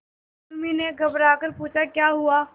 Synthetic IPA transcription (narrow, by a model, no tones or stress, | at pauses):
mineɡʱɐbɾaːkəɾpuːt͡ʃʰakjaːɦʊaː